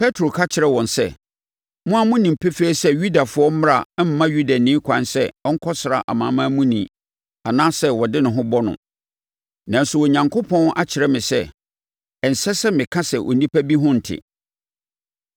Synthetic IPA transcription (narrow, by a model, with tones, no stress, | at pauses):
pʰɛ˦tʰɾo˨kʰa˦t͡ɕʰɪ˨ɾɛ˦wɔ̃˨nsɛ̰˦ | mʊ̃˦a˨mʊ̃˦nĩ˨m̩˨pʰɛ˦feː˦sɛ˦ɥu˦da˨fʊ˨˦ɔ˦m̩˦m˦ɾa˨˦m̩˦mã˦ɥu˦da˨nĩ˦kʷʰã˨nsɛ˦ɔ̃˦ŋ̩˦kʰɔ˦sɪ˨ɾa̰˨ʔa̰˨mãː˨˦mã˦mũ˦nĩ˨ | a˨nãː˦sɛ˦wɔ˨dɪ˦nʊ̃˨ɦʊ̃˦bɔ˦nʊ̰̃˨ | nã˨n̩˦sʊ˦˨wɔ˨ɲã˨ŋkʰo˦pʰɔ̃˦nʔa˦t͡ɕʰɪ˨ɾɛ˦mɪ̃˨sɛ˦ | ɛ˨n̩˨sɛ˦sɛ˦mɪ̃˨kʰã˦sɛ˨ʔɔ̰˨nĩ˦pʰæ˦bi˦ɦʊ̃˦n̩˨tʰɪ̰˨